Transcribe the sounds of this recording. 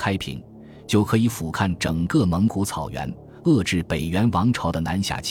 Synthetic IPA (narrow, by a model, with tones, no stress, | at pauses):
kʰa˥ɪpʰḭ˨˩˦ŋ | t͡ɕjo˥˩ʊkʰɤ˧˥i˧˥fu˨˩kʰa˥˩nʈ͡ʂɤ˨˩ŋkɤ˥˧mə˧˥ŋku˧˥t͡sʰɑ˨˩ʊɥɛ̰˧˥n | ɤ˥˧ʈ͡ʂɻ̩˥˩pe˨˩ɪɥɛ˧˥nwɑ˧˥ŋʈ͡ʂʰɑ˧˥ʊd̪ə˧na˧˥nɕja̰˨˩t͡ɕʰ